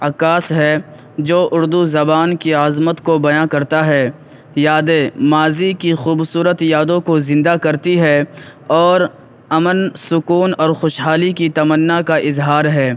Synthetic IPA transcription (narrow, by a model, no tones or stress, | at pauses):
ɐkaːsɦɛ | d͡ʒoːʔʊɾd̪uzɐbaːnkiaːzmət̪kobɐjãkɐɾt̪aɦɛ | jaːd̪emaːzikixuːbsuːɾət̪jaːd̪õkozɪ̃nd̪akɐɾt̪iɦɛɔːɾ | ɐmənsʊkuːnɔːɾxoːʃɦaːlikit̪ɐmənːakaʔɪzɦaːɾɦɛː